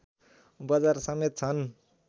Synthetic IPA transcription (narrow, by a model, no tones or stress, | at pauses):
bʌd͡zaɾsʌmet̪̚t͡sʰʌn